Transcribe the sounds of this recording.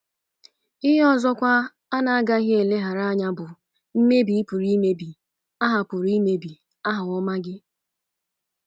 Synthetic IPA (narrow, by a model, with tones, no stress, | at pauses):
ɪ˦ɦe˦ɔ˦zɔ˦kʷa˦ | a˦na˨a˦ɡa˦ɦɪ˦e˨le˦ɦa˨ɾa˦a˦ɲa˦bʊ˨ | m̩˦me˦bi˨i˦pu˨ɾi˦me˦bi˨ | a˦ɦa˨pʊ˨ɾi˦me˦bi˨ | a˦ɦʊ˨ɔ˦ma˦ɡɪ˦